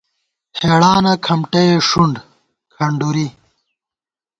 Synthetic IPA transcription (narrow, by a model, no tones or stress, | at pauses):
heːɽaːnɐkʰɐmʈeeʂuɳɖ | kʰɐɳɖuɾi